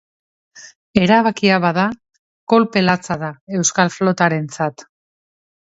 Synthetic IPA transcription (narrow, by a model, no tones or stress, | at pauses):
e̞ɾaβakiaβaða | ko̞lpe̞lat͡saðae̞wskalflo̞t̪aɾe̞nt͡sat̪